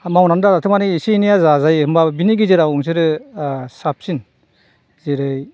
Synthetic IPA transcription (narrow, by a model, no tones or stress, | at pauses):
mawnandaɾatʰɯmanɯːsinijazazajɯmbabiniɡizeɾawuŋs̬ɯɾɯsap̚sin | zeɾɯj